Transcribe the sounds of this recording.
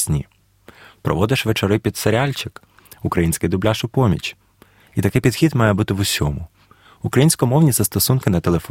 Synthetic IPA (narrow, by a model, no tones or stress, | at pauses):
sʲnʲi | pɾɔ̰ʋɔd̪ɪʃʋet͡ʃɔɾɪpʲid̪seɾʲalʲt͡ʃɪk | ʊkɾɐjinʲsʲkɪjd̪ʊblʲaʃʊpɔmʲḭt͡ʃʲ | it̪ɐkɪpʲid̪̥xʲid̪mɑjɛbut̪ɪʋʊsʲɔmʊ | ʊkɾɐjinʲsʲkɔmɔwnʲizɐst̪ɔsunkɪnɐt̪elˠef